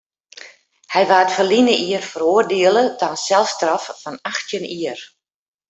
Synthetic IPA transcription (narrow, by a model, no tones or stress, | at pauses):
hɛjʋaːətfərlinəʔiərfəɾoərdɪəlˠətansɛlˠfstrɔffɔnaxtjəniər